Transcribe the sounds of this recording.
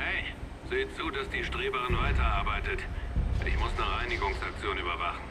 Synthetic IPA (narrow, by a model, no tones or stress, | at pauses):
hɛɪ | zeːət͡suːdasd̥iːʃtʁ̥eːbəʁɪnvaɪtɐʔaɐbaɪtətɪ̰çmʊsnəʁaɪnɪɡʊŋsak̚t͡sjoːnyːbɐvaχn̩